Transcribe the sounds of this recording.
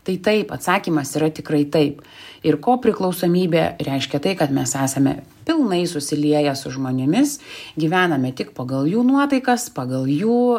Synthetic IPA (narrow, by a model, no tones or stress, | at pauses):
t̪ɐɪt̪ɐɪpɐt̪sɑːkʲiːmɐsiːɾɐt̪ʲɪkrɐɪt̪ɐɪp | ɪɾkoːpʲɾʲɪklˠɒʊsoːmʲiːbʲḛːɾʲɛɪʃʲkʲɛt̪ɐɪkɐt̪mʲɛsæːsɐmʲɛ̰ | pʲɪlˠnɐɪsʊsʲɪlʲiɛjɛsʊʒmoːnʲɪmʲɪsɡʲiʋʲæːnɐmʲɛt̪ʲɪkpɐɡɐlˠjuːnuɔt̪ɐɪkɐspɑɡɐlˠjuː